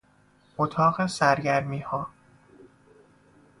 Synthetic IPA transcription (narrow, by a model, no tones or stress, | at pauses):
ʔot̪ʰɒːɣesæɾɟæɾmiːhɒː